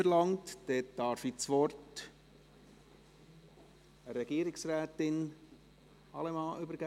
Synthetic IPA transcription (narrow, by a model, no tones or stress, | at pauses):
əɾlɑŋtd̥ɛtd̥ɑɾfit͡sʋɔrt | əɾɛɡiːɾɪksɾæːt̪ɪn | ɑlɛmɑːʔʏbəɾɡæ